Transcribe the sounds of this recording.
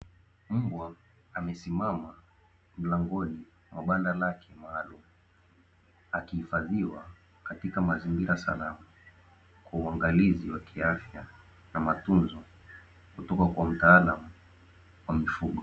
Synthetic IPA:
m̩bwa | amɛsimama | m̩laŋɡɔni | mwʔa̰ɓandalakʰɛmaːlumu | akihifaðiwa | katikamazimbiɾasa̰lama | kwauaŋɡaliziwakʰiafja | namatunzɔ | kutɔkakwam̩taːlamu | wamifuɠɔ

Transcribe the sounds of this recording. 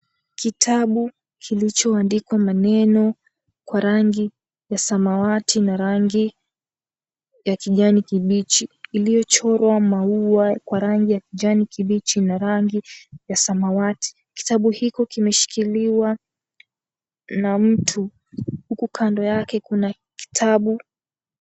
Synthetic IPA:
kitʰaɓu | kʰilit͡ʃɔandikwamanɛnɔ | kwaɾaŋɡi | jasamawatʰinaɾaŋɡi | jakiʄanikiɓit͡ʃiːlijɔt͡ʃɔɾwamauakwaɾaŋɡijakiʄanikiɓit͡ʃinaɾaŋɡijasamawati̥ | ki̥taɓuhikɔkimɛʃi̥kiliwa | nam̩tʰu | hukukʰandɔjakɛkuna | ki̥tʰaɓu

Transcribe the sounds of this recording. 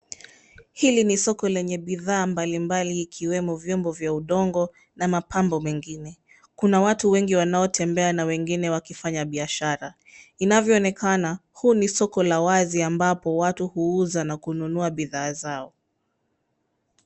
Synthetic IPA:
hilinisɔkɔlɛɲɛɓiðaːmbalimbaliːkʰiwɛmɔvjɔmbɔvjauɗɔŋɡɔ | namapʰambɔmɛŋɡinɛ | kunawatuwɛŋɡiwanaɔtʰɛmbɛanawɛŋɡinɛwakifaɲaɓiaʃaɾa | inavjɔːnɛkʰanahunisɔkɔlawaziambapɔwatuhuuzanakununuaɓiðaːzaɔ

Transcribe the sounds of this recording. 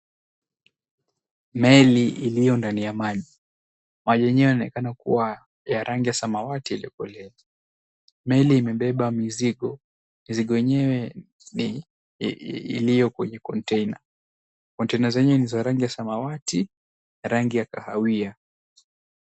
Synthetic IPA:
mɛliilijɔndanijamaʄi | maʄɔɛɲɛwɛnɔnɛkanakṵwa | jaɾaŋɡijasamawatiiliɔkɔlɛa | mɛliːmɛɓɛɓamiziɠɔ | miziɠɔjɛɲɛwɛ | n | ḭlijɔkwɛɲɛkɔntɛina | kɔntɛinazɛɲɛwɛnizaɾaŋɡijasamawati | naɾaŋɡijakahawia

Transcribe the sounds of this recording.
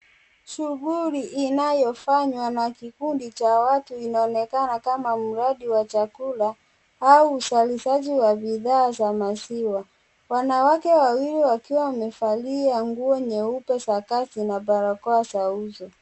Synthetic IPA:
ʃuɣuliʔinajɔfaɲwanakikundit͡ʃawatuinaɔnɛkanakamam̩ɾaɗiwat͡ʃakula | auːsaliʃaʄiwabiðaːzamasiwa | wanawakɛwawiliwakiwawmɛfaliaŋɡuɔɲɛupɛsakatinaɓaɾakɔasauzɔ

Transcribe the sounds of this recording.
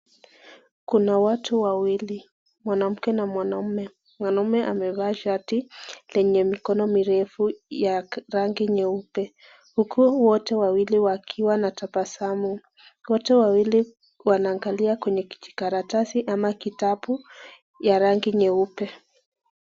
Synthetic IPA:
kunawatʰuwawili | mwanam̩kɛnamwanaumɛ | mwanaumɛʔamɛvaʃatilɛɲɛmikɔnɔmiɾɛfujaɾaŋɡiɲɛupɛ | hukʰuwɔtɛwawiliwakʰiwanatapasamu | wɔtɛwawili | wanaːŋɡaliakwɛɲɛki̥t͡ʃi̥kaɾatasiʔamakitapu | jaɾaŋɡiɲɛupɛ

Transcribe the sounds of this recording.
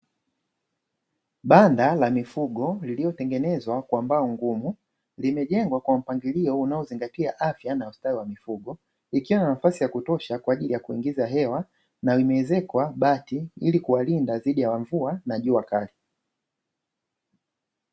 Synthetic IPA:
ɓandalamifuɡɔliliɔtɛŋɡɛnɛzwakwambaɔŋɡumu | limɛʄɛŋɡwakwam̩paŋɡiliɔunaɔziŋɡatiaʔafjanaustawiwamifuɡɔ | ikiwananafasijakutɔʃakwaːʄilijakuiŋɡizaɦɛwa | naimɛɛzɛkwaɓatiilikuwalindaziɗijawaɱvuanaʄuakali

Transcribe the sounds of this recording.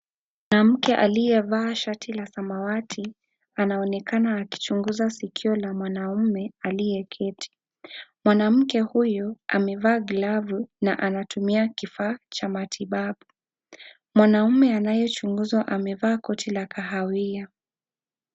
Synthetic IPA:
mmwanam̩kɛʔa̰lijɛvaːʃatʰilasamawatʰi | anaɔnɛkʰanaːki̥t͡ʃuŋɡuzasikʰiɔlamwanaumɛalijɛkʰɛtʰi̥ | mwanam̩kɛhujɔʔa̰mɛvaːɡlavuna̰ʔanatumiakifaːt͡ʃamatʰiɓaɓu | mwanaumɛanajɔt͡ʃuŋɡuzwaʔamɛvaːkɔtʰilakaɦawia

